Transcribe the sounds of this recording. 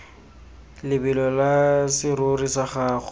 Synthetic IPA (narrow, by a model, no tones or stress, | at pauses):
lɪbɪlɔlasɪrʊrisaχaːχʊ